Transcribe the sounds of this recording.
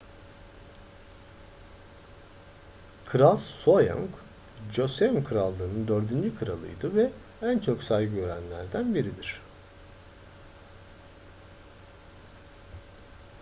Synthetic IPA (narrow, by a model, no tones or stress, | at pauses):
kʰɯɾazːoja̰ŋk | d͡ʒosɛmkʰɯɾalˠːɯːnɯnd̪ø̞ɾd̪ynd͡ʒikʰɯɾalˠɯ̰jd̪ɯvɛ | ænt͡ʃʰo̞ksajɡɯøɾænlʲæ̰ɾd̪ænbiɾid̪iɾ̝̥